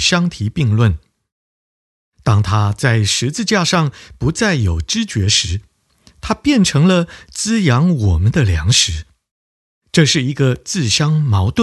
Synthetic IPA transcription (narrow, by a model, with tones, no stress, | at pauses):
ɕjɑ˥ŋt̪ʰi˧˥pi˥˧ŋlwə˥˩n | t̪ɑ˥ŋt̪ʰa˥t͡sa˥˩ɪʂɻ̩˧˥t͡sɹ̩˥˧t͡ɕja˥˧ʂɑ˥˩ŋpu˧˥t͡sa˥˩ɪjo˨˩ʊʈ͡ʂɻ̩˥t͡ɕɥɛ˧˥ʂɻ̩˧˥ | t̪ʰa˥pjɛ˥˩nʈ͡ʂʰɤ˧˥ŋlə˧t͡sɹ̩˥jɑ˧˥ŋwɔ˨˩mə˦nd̪ə˧ljɑ˧˥ŋʂɻ̩˧˥ | ʈ͡ʂɤ˥˧ʂɻ̩˥˩i˧˥ɡə˧t͡sɹ̩˥˩ɕjɑ˥ŋmɑ˧˥ʊt̪wə˥